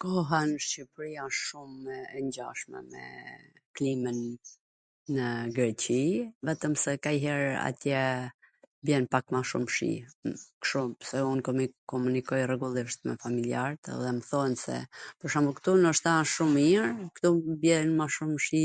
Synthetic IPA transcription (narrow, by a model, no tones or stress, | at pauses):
kɔɦanʃipɾijaʃumɛɛɲɟaʃmɛ̰mɛ̰ | klimənː | əɡɾɛt͡ɕivɛt̪əmsɛkajɦɛɾa̰t̪jɛ | bjɛnpakmaʃṵmʃḭkʃumsɛunkɔmkɔmunikɔjrɛɡulˠiʃt̪mɛ̰familiaɾt̪ɛ̰ðɛməθɔnsɛ̰pəɾʃambukt̪unɔʃt̪aʃumiɾkt̪ubjɛnmaʃumʃi